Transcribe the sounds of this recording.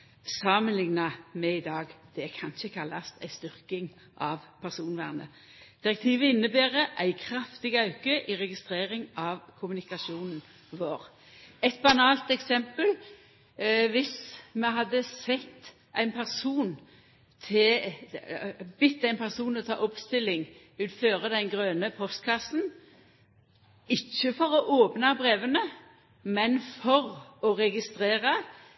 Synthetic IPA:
sɑmənlɪŋnɑmɛɪd̪ɑːɡd̪̥ɛækʰɑnʃəkʰɑlːɑst̪ʰæ̰ɪst̪ʏʁkɪŋ | ʔɑʋpʰæʁsuːnʋæ̰ːʁnə̰ | d̪̥ɪʁɛkt̪ʰiːʋəɪnːəbeːʁəʔæɪkʰɾɑft̪ɪɡɑʉkəʔɪʁɛɡɪst̪ɾeːʁɪŋɑʋkʰʊmʉnɪkɑʃuːnn̩ | ʋoːʁ | ɛt̪̚bɑnɑːlt̪ɛksɛmpəl | ʋɪsmɛɦɑd̪ːəsɛt̪ː | ʔæɪnpʰæʁsuːn | t̪ʰɪ | bɪt̪ːəæɪnpʰæʁsuːnɔt̪ʰɑ̰ːʔʊpst̪ɪlːɪŋ | ʉːt̪føːʁəd̪ɛnɡʁøːnəpʰɔst̪kʰɑsn̩ | ɪçːəfɔʁɔʔoːpnɑbʁeːʋənə | mɛnfɔʁɔʁɛɡɪst̪ʁeːʁɑ

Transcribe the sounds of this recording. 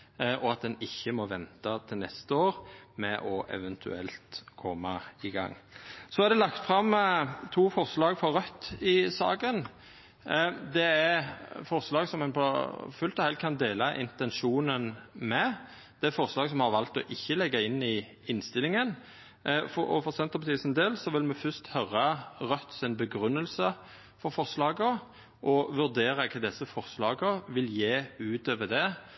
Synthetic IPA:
ʔɔɑt̪̚d̪ɛnɪçːəmɔʋɛnt̪ɑt̪ʰɪlnɛst̪əoːɾmɛʔɔʔɛ̰ʋɛnt̪ʰʉ̰ɛ̰lt̪kʰɔmːɑɪɡɑ̰ŋːsɔɑɾd̪ɛlɑkt̪fɾɑmt̪ʰuːfɔʁslɑːɡfɔɾʁœt̪ːɪsɑ̰ːɡən | d̪ɛæɾfɔɾslɑːɡsɔmɛnpʰɔ̰fʉlt̪ɔhɛl̚kʰɑnd̪eːlɑʔɪ̰nt̪ɛnʃuːnənmɛ | d̪̥ɛæfɔɾslɑːɡsɔmhɑɾʋɑlt̪ɔʔɪçːəlɛɡːɑɪnːɪ | ɪnst̪ɪlɪŋən | fɔɔ̰fɔɾsɛnt̪əɾpɑt̪ʰiːsənd̪eːlsɔʋɪlmɛfʉst̪hœɾɑʁœt̪ːsɪnbəɡɾʉnːəlsə | fɔɾfɔʁslɑːɡəɾ | ʔɔʋʉɾd̪eːɾɑkʰɑd̪ɛsːəfɔɾslɑːɡəɾʋɪljeːʉːt̪øːʋəd̪ɛ

